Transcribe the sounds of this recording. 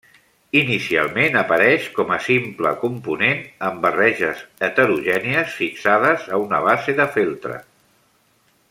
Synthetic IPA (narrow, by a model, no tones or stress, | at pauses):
inisia̰lˠmenəpəɾɛʃkɔməsimplə̰kumpunenəmbərɛʒəzət̪əɾuʒɛniəsfiksaðəzəunəβ̞azeðəfilˠt̪ɾə̰